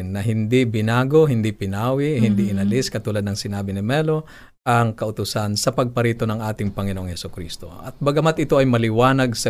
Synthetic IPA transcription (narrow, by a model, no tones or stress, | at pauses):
nːɐɦɪnd̪ibɪnaːɡo̞ɦɪnd̪ipɪnaːwɪɦɪnd̪iʔɪnɐliskɐt̪uːlɐd̪nɐŋsɪnaːbɪnɪmɛlo̞ | ʔɐŋkɐʔʊt̪ʊsansɐpɐɡ̚pɐɾiːt̪o̞nɐŋʔaːt̪ɪŋpɐŋɪnoʔoŋhɛsʊkɾḭst̪o̰ʔɐt̪̚bɐɡɐmat̪ʔɪt̪o̞ʔɐjmɐlɪwaːnɐɡsɐ